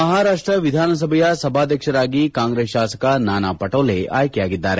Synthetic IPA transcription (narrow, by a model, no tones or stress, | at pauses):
mɐɦaːɾaːʂʈɾɐʋid̪ʱaːnɐs̬ɐbʱɐjɐsɐbʱaːd̪ʱjɐkʃɐɾaːɡikaːŋɡɾeːsʃaːsɐ̥kɐnaːnaːpɐʈɐːleʔa̰ːjkejaːɡid̪ːaːɾe